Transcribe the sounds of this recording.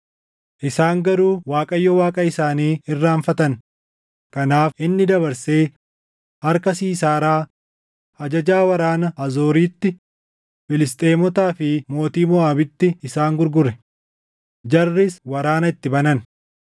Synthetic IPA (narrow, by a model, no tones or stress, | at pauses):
ʔɪsaːŋɡɐɾuːwaːkʼɐjːɔwaːkʼɐɪsaːniːɪrːaːɱfɐt̪ɐn | kɐnaːfʔɪnːɪd̪ɐβɐɾseː | hɐɾkɐsiːsaːɾaː | ɐd͡ʒɐd͡ʒaːwɐɾaːnɐɐzo̞ːɾiːt̪ːɪ | fɪlɪst̪ʼe̞ːmɔt̪aːfɪmo̞ːt̪iːmɔaːbɪt̪ːɪɪsaːŋɡʊɾɡʊɾɛ | d͡ʒɐrːɪswɐɾaːnɐɪt̪ːɪbɐnɐn